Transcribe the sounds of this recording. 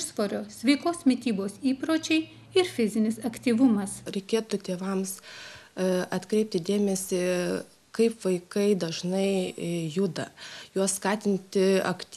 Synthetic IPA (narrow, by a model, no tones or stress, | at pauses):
ʃsʋoːɾʲoːsʲʋʲɛɪkoːsmʲɪt̪ʲiːboːsiːpɾoːt͡ʃʲɛɪ | ɪɾfʲɪzʲɪnʲɪsɐkt̪ʲiːʋʊmɐsɾʲɛɪkʲeːt̪ʊt̪ʲeːʋɐms | ɐt̪kɾʲɛɪp̚ʲt̪ʲɪd̪ʲeːmʲɛsʲɪ | kɐɪpʋɐɪkɐɪd̪ɐʒnɐɪjud̪ɐjuɔsskɑːt̪ʲɪnʲt̪ʲɪɐ̰kt̪ʲ